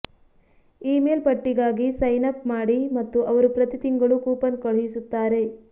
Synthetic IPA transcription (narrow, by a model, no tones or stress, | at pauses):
iːmeːlpɐʈːiɡaːɡisɐjnɐk̚maːɽimɐt̪ːuʔɐʋɐɾupɾɐt̪it̪iŋɡɐɭukuːpɐnkɐɭɦisut̪ːaːɾe̞